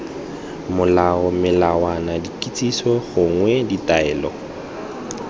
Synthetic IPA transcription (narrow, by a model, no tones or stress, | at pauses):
mʊlaɔmɪlawanadikʼit͡sʼisɔχʊŋwɛditaɛːlɔ̰